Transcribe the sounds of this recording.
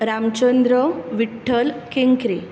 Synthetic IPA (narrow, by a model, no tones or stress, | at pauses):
ɾamt͡ɕənd̪ɾəʋiʈʰːəlkeŋkɾe